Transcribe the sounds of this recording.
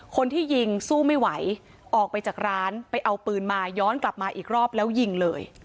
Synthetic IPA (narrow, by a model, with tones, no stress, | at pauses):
kʰo˧nt̪ʰiː˥˩ji˧ŋsuː˥˩ma˥˩jwa˩˦j | ʔɔː˨˩k̚pa˧jt͡ɕaː˨˩k̚ɾaː˦˥npa˧jʔa˧wpɯː˧nmaː˧jɔː˦˥nkla˨˩p̚maː˧ʔiː˨˩k̚ɾɔː˥˩p̚lɛː˦˥wji˧ŋlɤː˧j